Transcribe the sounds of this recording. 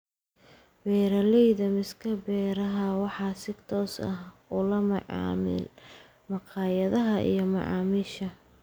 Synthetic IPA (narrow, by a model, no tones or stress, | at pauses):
bɛːɾɐlɛjðɐmɪskʰɐbɛːɾɐɦɐwɑħɑːsɪɡt̪ʰɔːsɐ̰hʊlɐmɑʕɑ̰ːmɪ̰l | mɑqʰɑːjɐðɐɦɐʔḭjɞmɑ̰ʕɑ̰ːmɪʃɐ